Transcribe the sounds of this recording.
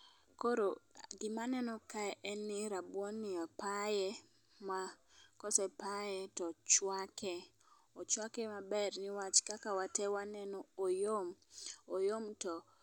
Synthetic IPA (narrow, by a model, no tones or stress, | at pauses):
koɾoɡɪmanɛnɔkaɛʔɛnːɪɾabwɔnːɪapajɛ | makɔsɛpajɛtɔt͡ʃwakɛ | ot͡ʃwakɛmabɛrnɪwat͡ʃkakawatɛwanɛnɔojomojomtɔ